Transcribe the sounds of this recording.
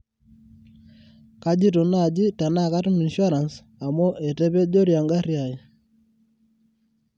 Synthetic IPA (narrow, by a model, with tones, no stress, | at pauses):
ka˦d͡ʒi˦to˨na˨d͡ʒi˦ta˨na˦˨ka˦tmi˨nʃa˦ɾa˨ns | a˨mo˦ʔɛ˨tɛ˦pɛ˦d͡ʒo˦ɾja˨ŋɡa˦rja˨i˨